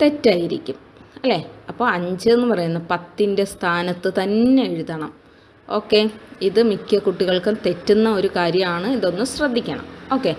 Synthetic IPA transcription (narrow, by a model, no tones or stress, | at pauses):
t̪e̞tːaːjiɾikʲːum | ɐlːe̞ːɐpːo̞ːɐɲd͡ʑɨenːɨpɐrɐjunːɐpɐt̪ːinde̞st̪ʰaːnɐt̪ːɨt̪ɐnːe̞eɻuðɐɳɐm | o̞ːkːe̞iðɨmikʲːɐkuʈːiɣɐɭkɨt̪e̞tːunːɐo̞ɾukaːɾjɐmaːɳɨiðo̞nːɨmɕrɐd̪ʱːikʲːɐɳɐ̰mo̞ːkːe̞